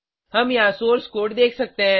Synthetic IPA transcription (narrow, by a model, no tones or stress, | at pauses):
hɐmjɐɦãsoːɾskoːʈd̪eːkʰsɐk̚t̪eɦɛ̃ː